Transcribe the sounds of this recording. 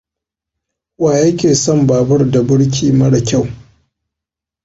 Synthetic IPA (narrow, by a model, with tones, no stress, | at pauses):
waː˨jɐ˦kʲeː˨sɔ˦˨mbaː˨bɐ˦rda˨bɪ˦ɽk̬ʲʰiː˦mɐ˦ɽa˨kʲa˦˨w